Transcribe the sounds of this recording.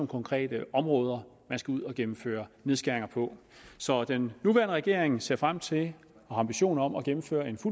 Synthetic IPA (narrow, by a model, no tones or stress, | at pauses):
mkʰɒ̽ŋkʰʁɛ̰ːd̥əɒ̽mʁɔ̽ːð̞ˠɐ | mænsɡ̥æuð̞̰ˠɒ̽ɡ̥emm̩fø̰ːɐneðˠsɡ̥æɐeŋɐpʰɒ̽ | sɒ̽d̥enːuʋæːɐnəʁɛɡ̥e̝ɐ̰eŋse̝ɐ̰fʁam̰t͡sʰe̝l | ɒɑ̈mb̥iɕo̝̰ːnɐɒ̽mɒɡ̥emm̩fø̰ːɐe̝nfu